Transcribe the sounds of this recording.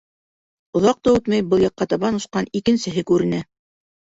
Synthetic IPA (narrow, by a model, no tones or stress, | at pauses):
ŏðɑq̚t̪ɑʉt̪mæjbɤlˠjɑ̆qːɑt̪ɑβɑnŏʃqɑnikɘ̆nsɘ̆ɦɘkʉɾɘ̆næ